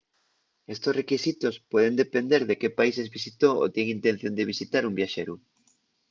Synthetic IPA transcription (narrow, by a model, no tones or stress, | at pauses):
est̪osrekisit̪ospɔðend̪epend̪eɾðekepaisezβisit̪oo̰t̪eŋint̪ẽn̟θjond̪eβisit̪aɾumbjaʃeɾu